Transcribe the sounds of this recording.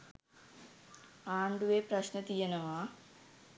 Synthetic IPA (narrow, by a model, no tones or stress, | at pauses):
aːɳɖuʋeːpɾɐɕnɐt̪ijɐnɐʋaː